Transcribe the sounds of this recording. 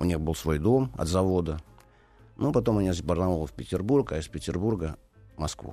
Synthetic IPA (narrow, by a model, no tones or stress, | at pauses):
ʊnʲiɣbɨlˠsvo̞jd̪o̞mɐ̰t̪zɐvo̞d̪ə | nupɐt̪o̞mɐnʲizʲbərnɐvolˠəfʲpʲɪtʲɪrburkaɪspʲɪtʲɪrburɡə | mɐskvṵ